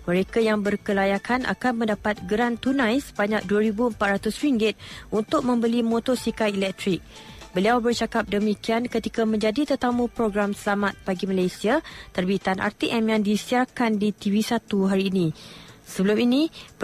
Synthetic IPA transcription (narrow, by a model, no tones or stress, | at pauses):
mə̃ɾekajaŋbərkəlajakʰanʔa̰kanmə̃ndapat̪̚ɡəɾant̪unãjsə̥baɲak̚duaɾibuəmpat̪ɾat̪ʊsɾiŋɡɪt̪̚unt̪ʊk̚mə̃mbəlimõt̪ɔsikajilɛk̚t̪ɾik̚ | bəliawbərt͡ʃakap̚dəmikiankət̪ikamə̃ɲd͡ʒadit̪ət̪amũpɾoɡɾamsəlamat̪̚b̥aɡimalajsiat̪ərbit̪anʔa̰rt̪iʔɛmjaŋdisiarkandit̪ivisat̪uɦaɾiːnĩsəbəluminĩ